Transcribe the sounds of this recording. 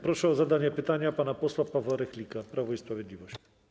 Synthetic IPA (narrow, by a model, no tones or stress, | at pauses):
pɾɔʂɛɔzad̪aɲɛpɘt̪aɲapanapɔswapavwaɾɛxlʲikapɾavɔispɾavʲjɛd̪lʲivɔɕt͡ɕ